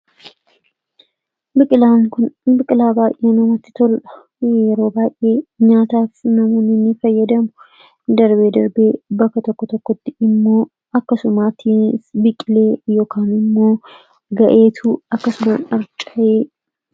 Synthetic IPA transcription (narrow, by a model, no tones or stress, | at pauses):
lankʊnbɪkʼɪlaːbaːjʔeːnɐmɐt̪ːɪ̥t̪ʰɔlᶑɐ̥ | jɛɾo̞ːbaːjʔe̞ːɲaːt̪aːfnɐmɔnɪnːɪfɐjːɐd̪ɐmʊ | d̪ɐɾbe̞ːd̪ɐɾbe̞ːbɐkːɐt̪ɔkːɔt̪ɔkːɔt̪ːɪɪmːo̞ː | ɐkːɐsʊmaːt̪ʰisbɪkʼɪle̞ːjoːkʰaːnɪmːo̞ː | ɡɐʔe̞ːt̪ʰuːɐkːɐsʊma̰nɐɾt͡ʃʼɐje